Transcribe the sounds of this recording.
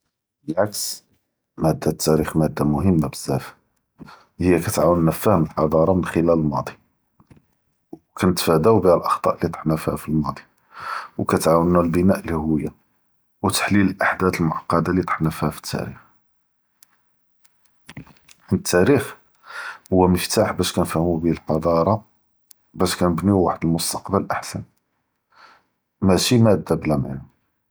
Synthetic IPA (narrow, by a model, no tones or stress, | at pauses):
əʕaks | mæd̪ːæt̪ːæɾixmæd̪ːamʊhəmːabəzːæf | həjːækæt̪ʕawənːæfæhəməlħɑd̪ˤɑɾˤɑmənxəlæləlmɑd̪ˤi | w | kænət̪fæd̪æwbiælʔɑxt̪ˤɑ̰ʔlit̪ˤħnəfhæ̰filmɑd̪ˤi | wkæt̪ʕawənːælbənæʔlihʊwəjːa | wt̪ḁħliləlʔaħd̪æt̪əlmʊʕɑqːɑd̪alit̪ˤə̥ħnəfhæfə̥t̪ʰːæ̰ɾḭx | nət̪ʰːæɾix | hʊwːæməft̪aħbæʃkænfæhmubihælqɑd̪ˤɑɾˤɑ | bæʃkænəbniwaħəd̪əlmʊst̪ɑ̥qbəlʔaħsæn | mæʃimæd̪ːæblæma̰nʊ